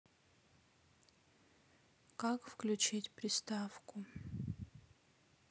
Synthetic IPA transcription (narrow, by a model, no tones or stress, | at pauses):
kakfklʲut͡ʃitʲpɾʲɪst̪afkʊ